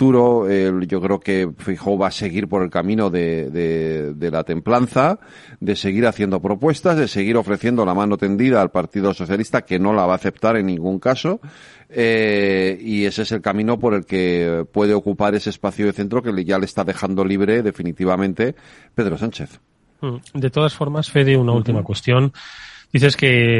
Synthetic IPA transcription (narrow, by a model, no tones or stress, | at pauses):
t̪uɾo̞eʝo̞kɾe̞oke̞fexowβase̞ɣ̞iɾpo̞ɾe̞lkamĩno̞ðe̞ðede̞lat̪e̞mplanθa | d̪e̞se̞ɣiɾaθje̞nd̪o̞pɾo̞pwe̞st̪azðe̞se̞ɣ̞iɾo̞fɾe̞θje̞nd̪o̞lamãno̞t̪e̞nd̪iðaːlpaɾt̪iðo̞so̞θjalist̪ake̞no̞laβ̞aːθe̞pt̪aɾe̞nːĩŋɡuŋkaso̞ | e | ie̞sese̞lkamĩno̞po̞ɾe̞lke̞pwe̞ð̞e̞o̞kupaɾe̞sespaθjoðeθe̞nt̪ɾo̞ke̞leʝale̞ːst̪aðe̞xand̪o̞liβ̞ɾe̞ðe̞finit̪iβ̞amẽ̞nt̪e̞ | pe̞ð̞ɾo̞sant͡ʃe̞θ̩ | d̪et̪oð̞asfo̞ɾmasfeðiunault̪imakwest̪jo̞nd̪̥iθe̞ske